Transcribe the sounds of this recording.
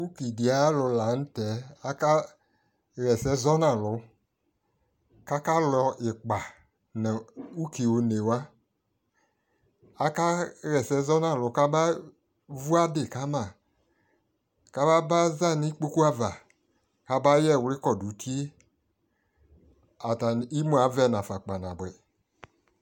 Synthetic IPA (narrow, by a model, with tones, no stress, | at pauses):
u˦ki˨di˨a˨˦lʊ˧la˨˦n̩˦tɛ˨˦a˦ka˦ | ɣɛ˨sɛ˨˦zɔ˦nã˨lʊ˨˦ | ka˦ka˦lɔ˧ɪ˨k͡pa˨ | nɛ̃˨u˦ki˨wo˨ne˨wa˦ | a˨ka˦ɣɛ˨sɛ˨˦zɔ˦nã˨lʊ˨˦ka˦ba˦ | vu˦a˦dɪ˨ka˦mã˨ | ka˦ba˦ba˦za˦˨ni˦k͡po˦ku˦a˦va˨ | ka˦ba˦jɛ˦˨wlɪ˦kɔ˨du˨tʰi˦e˦ | a˨ta˨n˨i˦mũ˦a˨˦vɛ˦˨n˨ã˨fa˨k͡pa˨nã˨bɛ˨